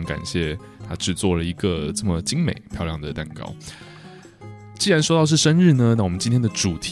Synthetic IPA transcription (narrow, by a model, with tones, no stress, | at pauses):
ŋka̰˨˩nɕjɛ˥˩ | t̪ʰa˦˥ʈ͡ʂɻ̩˥˩t͡swɔ˥˩lə˩i˧˦˥ɡə˨ʈ͡ʂə˥˩mə˩t͡ɕi˥ŋmḛ˨˩ɪpʰjɑ˥˧ʊjɑ˥˩ŋd̪ə˩t̪a˥˧nkɑ̰˥ʊ | t͡ɕi˥˩ɻa˧˥nʂ̬wo˥t̪ɑ˥˧ʊʂ̬ɻ̩˥˩ʂə˥nɻ̩˥˩nə˩wɔ˨˩mə˦nt͡ɕi˥nt̪ʰjɛ˥nd̪ə˨ʈ͡ʂu˨˩t̪ʰ